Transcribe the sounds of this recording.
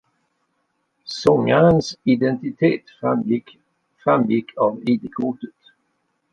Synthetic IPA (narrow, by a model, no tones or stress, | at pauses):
sɔŋːaɾənsɪd̪ɛnt̪ɪt̪ʰeːt̪a | fɾamːjɪkʰːɑviːd̪əkʰuʈ̪ət̪